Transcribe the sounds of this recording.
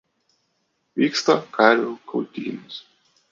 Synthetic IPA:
ʋʲiːkst̪ɐkʰɑːɾʲuːkʰɐʊt̪ʲḭːnʊs

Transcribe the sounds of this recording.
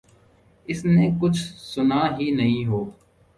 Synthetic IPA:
ɪsnẽːkʊt͡ʃʰsʊnaːɦiːnəɦĩːɦoː

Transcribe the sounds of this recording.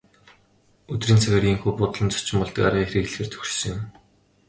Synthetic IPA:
ɵt̪riːnt͡sʰaɣʲărɣʲiːŋxuːpʊt̪ɮə̆mt͡sɔ̥t͡ɕɪ̆mpɔɮt̪ə̆karʁiːŋxeɾiːɣɮxĕːrt̪ʰɵ̥xrsɵ̆ŋʊm

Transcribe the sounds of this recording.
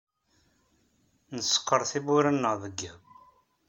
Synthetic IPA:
nəsə̥qːəɾˤθibʊɾanːəʁðəɡːi

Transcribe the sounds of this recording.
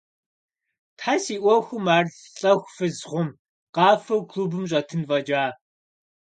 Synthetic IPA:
tħasiːʔʷɔxʷʊmaːrɮ | ɬʼɐxʷfɨzχʷʊm | qɑːfɐwkʰluːbɨmɕ̬ʷʼɐtʰɨnvɐd͡ʒaː

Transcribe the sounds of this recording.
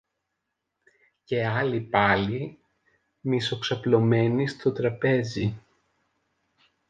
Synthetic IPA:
ce̞ɐlipɐli | miso̞ksɐplo̞me̞nist̪o̞t̪ɾɐpe̞zi

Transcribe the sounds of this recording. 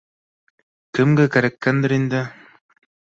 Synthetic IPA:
kɘ̆mɡækæɾækːænd̪ɘɾind̪ɘ

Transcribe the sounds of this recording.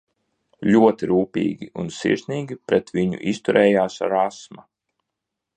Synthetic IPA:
lʲuɔt̪iɾuːpʲḭːɡʲiunsḭɾsniːɡʲipɾɛt̪viɲṵʔist̪uɾʔɛːjaːsɾasma

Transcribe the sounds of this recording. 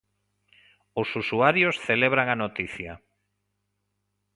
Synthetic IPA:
osusuaɾjosθeleβ̞ɾaŋanot̪iθjɐ

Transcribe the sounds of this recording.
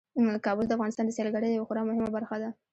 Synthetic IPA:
kɑbʊld̪əafɣɑnɪst̪ɑnd̪əsjɑlɡaɽəjd̪jawaxʊɾɑmʊhɪmabaɾxad̪a

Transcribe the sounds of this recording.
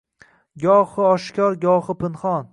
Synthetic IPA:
ɡʲɒχɨɒʃkʲɒɾɡʲɒχɨpʰɪnχɒn

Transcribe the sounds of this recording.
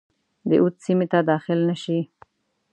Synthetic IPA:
d̪ə̰ʔut̪simet̪ad̪ɑxɪlnaʃi

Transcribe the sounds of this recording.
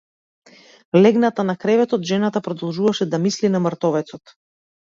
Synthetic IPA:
lɛɡnat̪anakɾɛvɛt̪ɔt̪ʒɛnat̪apɾɔd̪ɔlˠʒuvaʃɛd̪amislinaməɾt̪ɔvɛt̪sɔt̪

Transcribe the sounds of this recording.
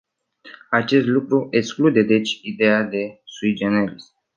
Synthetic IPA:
at͡ʃe̞st̪lukɾuʔeksklud̪e̞d̪e̞t͡ʃʲid̪e̞jad̪e̞suid͡ʒenelis

